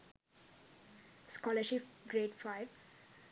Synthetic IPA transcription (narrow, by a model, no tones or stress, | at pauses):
skɔːləɾʃipɡɾeːʈfaɪʋ